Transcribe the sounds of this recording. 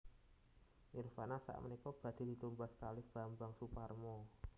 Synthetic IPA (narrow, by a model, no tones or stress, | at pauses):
nɪrfanasa̰ʔmənikɔb̥a̤d̪̥i̤d̪̥i̤t̪umbaskalɪhb̥a̤mbaŋsuparmɔ